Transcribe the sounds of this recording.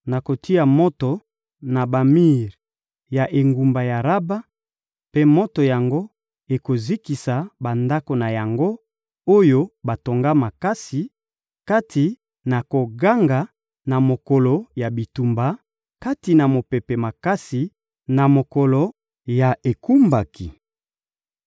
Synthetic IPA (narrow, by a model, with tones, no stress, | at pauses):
na˨ko˨tʰi˦a˨mo˦to˨ | na˨ba˨mi˦ʁ | ja˨ʔe˨ŋɡu˨mba˨ja˨ʁa˦ba˦ | pe˦mo˦to˨ja˨ŋɡo˦ | e˨ko˨zi˦ki˨sa˨ba˨nda˦ko˨na˨ja˨ŋɡo˦ | o˦jo˦ba˨to˨ŋɡa˦ma˨ka˦si˨ | ka˦tʰi˨ | na˨ko˨ɡa˦ŋɡa˨ | na˨mo˨kɔ˨lo˨ja˨bi˨tu˨mba˨ | ka˦ti˨na˨mo˨pe˨pe˨ma˨ka˦si˨ | na˨mo˨kɔ˨lɔ˨ | ja˨ʔe˨ku˦mba˨ki˨